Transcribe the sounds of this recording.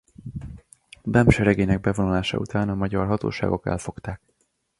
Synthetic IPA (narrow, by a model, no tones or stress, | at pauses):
b̪ɛmʃɛɾɛɡeːnɛɡ̚bɛvonulaːʃɒ̰ṵt̪aːnɒmɒɟɒrɦɒt̪o̰ːʃa̰ːɡo̞kɛ̰lfo̞kt̪aːk